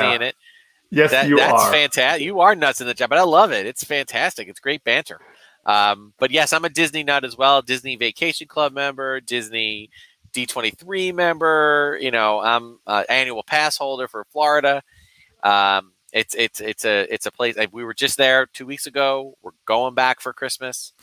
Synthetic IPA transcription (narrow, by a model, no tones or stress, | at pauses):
iɨ̃nɪt̚ | jɛðæɨðæsfæ̃ntʰæsjɨə˞nʌtsɨ̃n̩ðɨ̥ʒɑbʌɾaɪlʌvɪtɨtsfæ̃ntʰæstɨkɨtsɡ̥ɹeɪt̚b̥æ̃ntə̰˞ | ʔʌ̃mb̥ʌt̚jɛsãɪ̃mɨdɪzninəɾɨzwɛlˠdɪzniveɪkʰeɪʃɨ̃n̩kʰl̥ʌb̚mɛ̃mbə˞dɪzni | d̥itʰw̥ɛ̃ɾ̃iθɹimɛ̃mbə˞jɨ̰ñoʊã̰ɪ̃mʌə̰ʔæ̃njʉl̩ˠpʰæshoʊlˠdə˞fə˞flɔɹɨɾɨ | ʔʌ̃m | ɪtsɪtsɪtsɨɪtsɨpʰl̥eɪsawiwə˞d͡ʒʌs̚ðə˞tʰʉwiksɨɡoʊwɪ̰ɹɡ̥oʊɪ̃ŋbækfə˞kʰɹ̥ɪsmɨs